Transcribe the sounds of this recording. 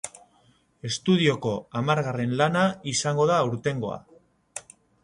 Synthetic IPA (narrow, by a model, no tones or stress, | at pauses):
e̞st̪uð̞io̞ko̞amaɾɣare̞nlanaisaŋɡo̞ðauɾt̪e̞ŋɡo̞̰a̰